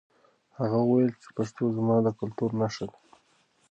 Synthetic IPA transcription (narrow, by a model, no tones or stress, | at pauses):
haɣawəwajəlt͡ʃe̥paʂt̪ozmɑd̪əkʊlt̪uɾnaʃad̪e